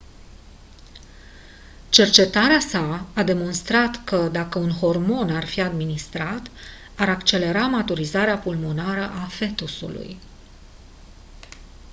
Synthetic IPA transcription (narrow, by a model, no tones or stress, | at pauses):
t͡ʃe̞rt͡ʃe̞t̪aɾeasaːd̪e̞mo̞nst̪ɾat̪kəd̪akəunɦo̞rmo̞narfiad̪minist̪ɾat̪ | aɾakt͡ʃe̞le̞ɾamat̪uɾizaɾeapulmo̞naɾəʔafe̞t̪usṵlṵj